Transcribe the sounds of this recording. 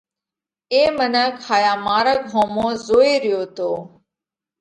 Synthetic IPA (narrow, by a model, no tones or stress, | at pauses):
eːmənəkʰaːjaːmaːɾəɡʱõːmõːzoːeːɾɪjoːt̪oː